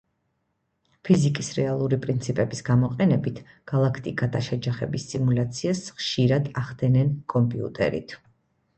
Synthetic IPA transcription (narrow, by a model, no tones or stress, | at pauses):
pʰizikʼisɾɛalˠuɾipʼɾint̪sʰipʼɛbisɡamɔqʼɛnɛbit̪ʰ | ɡ̥alˠakʰt̪ʼikʼad̪aʃɛd͡ʒaχɛ̰bisːʼimulat̪sʰiasχʃiɾad̪aχd̪ɛnɛnkʼɔmpʼiṵt̪ʼɛ̰ɾḭt̪ʰ